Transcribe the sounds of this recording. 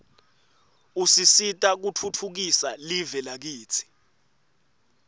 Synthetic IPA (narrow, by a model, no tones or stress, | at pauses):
usisitʼak̬utʰutʰuk̬isalivɛlak̬iːt͡sʰi̥